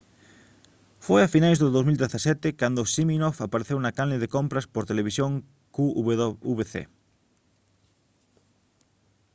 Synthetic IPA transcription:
fojafinajzðʊðowzmild̪eθasɛt̪ɪkand̪ʊsiminofapaɾeθewnɐkalnɪðekompɾɐspoɾt̪eleβisjoŋ | kuuβeθḛ

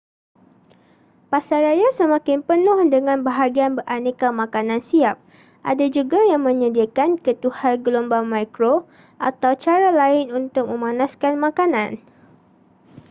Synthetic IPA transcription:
pasaɾajasəmãkɪnpənʊhdəŋãnbaɦaɡianbərʔanekamãkanãnsiap̚ | ʔadad͡ʒuɡajaŋmə̃ɲə̃diakankət̪uharɡəlombamajkɾo | ʔat̪awt͡ʃaɾalaɪnunt̪ʊk̚mə̃mãnaskanmãkanãn

